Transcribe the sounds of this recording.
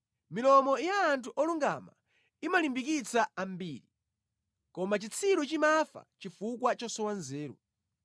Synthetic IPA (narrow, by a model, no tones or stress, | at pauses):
milɔmɔjaːntʰuʔɔluŋɡa̰ma̰ | imalimbikit͡saambiːɾi | kɔmat͡ʃit͡sʰiɾut͡ʃimafa̰t͡ʃifukwat͡ʃɔsɔwanzɛːɾṵ